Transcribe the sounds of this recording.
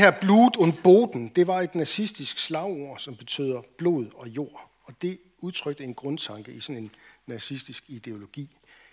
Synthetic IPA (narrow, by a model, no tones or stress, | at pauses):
hæɐ̰b̥luːd̥ɔ̽n̰b̥o̝̰ːd̥n̩d̥e̝ʋɑ̈e̝d̥nɑsisd̥isɡ̥slɑ̈ʊo̝ɐ̰sɒ̽mb̥e̝t͡sʰø̰ːð̰ˠɐb̥lo̝̰ð̞ˠɒ̽jo̝ɐ̰ | ɒ̽d̥e̝ | uð̞ˠt͡sʰʁœɡ̥̚d̥əe̝nɡ̥ʁɔ̽nt͡sʰɑ̈ŋɡ̥əʔisɒ̽ne̝nːɑsisd̥isɡ̥id̥e̝o̝lo̝ɡ̥ḭː